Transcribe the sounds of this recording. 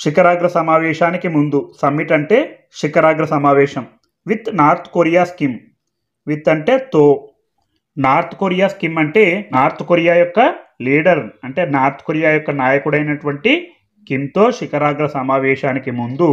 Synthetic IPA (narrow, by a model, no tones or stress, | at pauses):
ʃikɐɾaːɡɾɐsɐmaːʋɛːʃaːnikimund̪usɐmːiʈɐɳʈe̞ː | ʂikɐɾaːɡɾɐsɐmaːʋɛːʃɐm | ʋit̪naːɾt̪ʰkoːɾijaːskim | ʋit̪ːɐɳʈe̞ːt̪oː | naːɾt̪u̥koːɾijaːskimɐɳʈe̞ːnaːɾt̪ʰukoɾijaːjɔkːɐliːɽɐɾɐɳʈe̞ːnaːɾt̪ʰkoɾijaːjɔkːɐnaːjɐkuɽɐjnɐʈuʋɐɳʈi | skimt̪o̞ːʃikɐɾaːɡɾɐsɐmaːʋɛːʃaːnikimund̪u